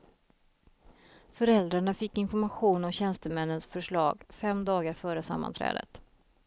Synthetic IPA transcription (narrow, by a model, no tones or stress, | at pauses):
fœɾɛld̪ɾaɳafɪkːɪnfɔɾmaɧuːnɔmɕɛnst̪əmɛnːənsfœʂɭɑ̰ːɡfɛmd̪ɑːɡaɾfœːɾəsa̰mːa̰nt̪ʰɾɛ̰ːd̪ə̰t̪